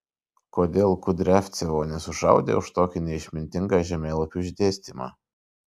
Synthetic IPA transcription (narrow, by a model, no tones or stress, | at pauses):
koːd̪ʲeːlˠkʊd̪ʲɾʲæfʲt̪sʲɛʋoːnʲɛsʊʃɑ̰ˑʊd̪ʲḛːʊʃt̪oːkʲɪnʲɛɪʃʲmʲɪnʲt̪ʲɪŋɡɑːʒʲɛmʲeːlˠɐpʲuɪʒʲd̪ʲeːsʲt̪ʲiːmɑ̰ː